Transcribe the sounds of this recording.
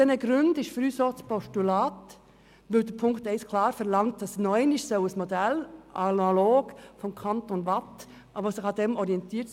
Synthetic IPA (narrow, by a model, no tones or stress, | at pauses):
ɛnəɡɾʉndɪʃfɾyːsɔt͡spʰɔʃtulɑːt | ʋɪldəpʰʊŋkt̪æɪskʰlɑːɾfɛɾlɑŋt̚dɑsnɔʏnɪʃsoʊəsmod̪ɛlʔɑnaloːɡ̥fɔmkʰɑntonʋɑt | ʔɑbəsɪxɑdɛmɔɾiɛnt̪ʰiːt